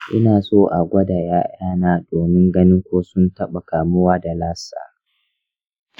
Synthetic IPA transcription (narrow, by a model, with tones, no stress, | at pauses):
ʔɪ˦naː˨soː˦ʔa˨ɡʷɐ˦daː˨jaː˦ʔaː˦naː˦doː˨mɪ˦ŋɡɐ˦nɪ˦ŋkʷoː˦sʊ˦ntɐ˦ɓa˨kaː˨mʊ˦waː˦da˨laː˦sa̰ː˨